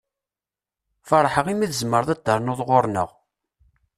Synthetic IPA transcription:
fəɾˤħəʁimiðəzmːəɾðˤæd̪əɾˤnoðˤʁoɾˤnə̰ʁ

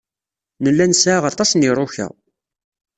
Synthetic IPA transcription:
nəlːænsʕaʁɑt̪ˤɑsniɾˤoçæ̰

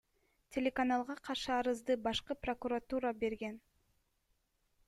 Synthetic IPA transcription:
tʲʰe̞lʲe̞kanɑlˠʁɑqʰɑɾʃɯɑɾɯzd̪ɯbɑʃqɯprokuɾat̪uɾabe̞ɾɡe̞n

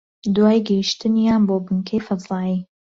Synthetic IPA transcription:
d̪waːjɡəjiʃt̪ɨnjaːnboːbɨŋkʰejfɨzɑːi

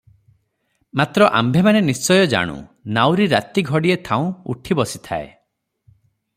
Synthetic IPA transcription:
mat̪ɾɔʔa̰mbʱemanenist͡ʃɔjɔd͡ʒa̰ɽ̃ṵ̃nawɾiɾat̪iɡʱɔɽiet̪ʰaũṵʈʰibɔsi̥t̪ʰa̰ḛ

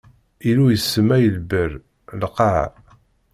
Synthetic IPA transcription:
ilujəsːəmæjəlbəɾ | lqɑʕ̰

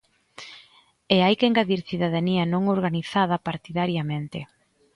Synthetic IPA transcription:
eajkeŋɡaðiɾθiðaðaniɐnõŋoɾɣaniθað̞ɐpaɾt̪iðaɾjamẽnt̪ɪ

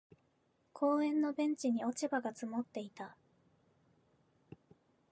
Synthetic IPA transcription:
kʰo̞ːẽ̞nːo̞bẽ̞ɲ̟t͡ɕiɲ̟io̞t͡ɕibaɡat͡sɨmo̞t̪ːe̞it̪a

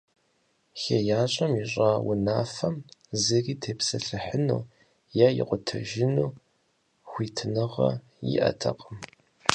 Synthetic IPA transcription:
xeːjaːɕʼɐmiɕʼaːwʊnaːfɐmzɨriːtʰeːpsɐɬɨħənṵː | jaːjɪ̰qʷʼʊtʰɐ̰ʒɪnuː | xʷiːtʰɨnɨʁɐ̰ | jḭʔɐ̰tʰɐqʼəm

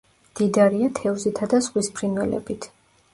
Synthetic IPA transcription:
d̪̥id̪aɾiat̪ʰɛvzit̪ʰad̪azʁwispʰɾinwɛlɛ̰bit̪ʰ

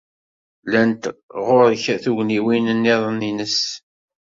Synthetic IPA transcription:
lænt̪ʁoɾçæθuʝniwinənːiðˤninəs

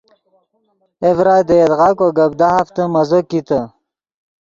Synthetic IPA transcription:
evɾaːjd̪əjed̪ʁakoɡɐb̚d̪aɦaft̪əmɐzokit̪ə

